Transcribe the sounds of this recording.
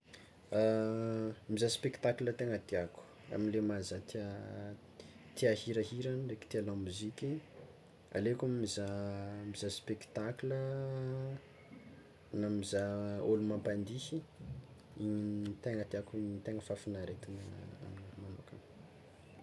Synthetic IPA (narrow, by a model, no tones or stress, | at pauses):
a | mizaspekt̪aklət̪eŋət̪iaku̥ | a̰minlemazat̪ia | t̪iahiɾaɦiɾanreki̥t̪ialamuzikʲi | a̰lekumizamizaspekt̪aklə | namizaolumampand̪ihi | iɲint̪eŋət̪iakiɲt̪eŋəfafinaɾet̪inaa̰minmanokə̰